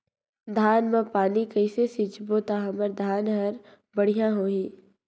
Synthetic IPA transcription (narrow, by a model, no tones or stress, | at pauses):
d̪ʱaːnmãpaːnikəɪsesɪt͡ʃbot̪aɦɐməɾd̪ʱaːnɦɐɾ | bɐɽ̤ijãɦoːiː